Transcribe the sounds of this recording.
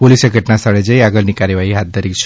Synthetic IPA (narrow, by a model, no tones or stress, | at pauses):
poliseɡʱəʈnasaɭed͡ʒəjaɡəlnikaɾjəʋaɦiɦat̪̚d̪ʱəɾit͡ʃʰ